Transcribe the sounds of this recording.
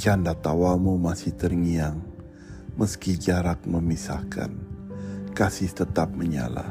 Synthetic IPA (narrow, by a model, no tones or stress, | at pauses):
t͡ʃandat̪awamumasɪht̪ərŋiaŋ | məskid͡ʒaɾak̚məmisa̰hkʰa̰n | kasɪht̪ət̪ap̚məɲa̰la̰